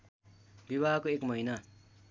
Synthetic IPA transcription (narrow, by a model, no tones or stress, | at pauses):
bibakoekmʌjnʌ